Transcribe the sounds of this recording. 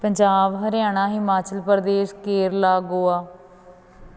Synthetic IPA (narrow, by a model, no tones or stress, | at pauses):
pəɲd͡ʒaːʋɦəɾjaːɳ̃aːɦɪmaːt͡ʃəlpəɾd̪eːskeːɾlaːɡoːaː